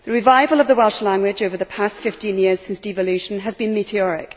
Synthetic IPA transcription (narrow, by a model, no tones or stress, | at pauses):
ðəɹɪvaɪvəlˠəvðəwɛlˠʃlãŋɡwɪd͡ʒoʊvə˞ðəpʰastfɪftĩnjɪəz̥sɪ̃nsd̥ɪvəlʉˑʃə̃nəzbĩnmitiɔɹɪ̰k